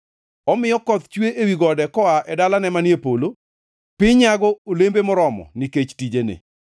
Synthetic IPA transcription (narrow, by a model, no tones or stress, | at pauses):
ɔmɪjɔkɔt̪t͡ʃweʔewiɡɔdɛkɔaʔɛdalanɛmanjepolo | pɪɲaɡɔolembemɔɾɔmɔ̰niket͡ʃtid͡ʒenɪ̰